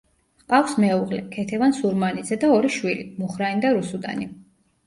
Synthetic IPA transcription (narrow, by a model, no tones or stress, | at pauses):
qʼafsmɛuʁlɛ̰kʰɛt̪ʰɛvansuɾmanid̪zɛd̪aɔɾiʃwilimuχɾaind̪aɾusud̪a̰ni